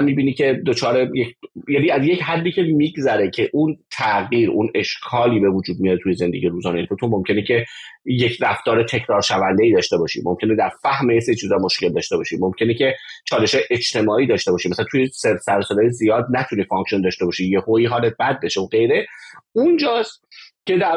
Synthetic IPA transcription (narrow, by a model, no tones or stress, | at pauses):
miːbiːnicʰe̞d̪o̞t͡ʃʰɒːɾe̞jecjæniːæzjechæd̪ːiːkcʰe̞miːɡzæɾecʰe̞ʔunt̪ʰæɣiːɾṵne̞ʃkʰɒːliːbe̞vud͡ʒuːd̪̚mijɒɾet̪ʰuje̞ze̞nd̪eɟiːeɾuːzɒːneefot̪ʰomo̞mcʰe̞necʰeje̞cʰɾæft̪ɒːɾet̪ʰe̞cʰɾɒːɾʃævænd̪eiːd̪ɒːʃt̪e̞bɒːʃḭmo̞mcʰe̞ned̪æɾfæhmejeseɾiːt͡ʃʰizɒːmo̞ʃce̞ld̪ɒːʃt̪e̞bɒːʃimo̞mcʰe̞necʰe̞t͡ʃʰɒːle̞ʃɒːjeʔet͡ʃt̪ʰe̞mɒːʔiːd̪ɒːʃt̪e̞bɒːʃimæsælænt̪ʰujesesæɾsolejezijɒːd̪næt̪ʰuniːfɒŋksiond̪ɒːʃt̪e̞bɒːʃiːjehoiːɦɒːlet̪̚bæd̪̚beʃeoɡe̞jɾeund͡ʒɒːst̪cʰe̞d̪æɾ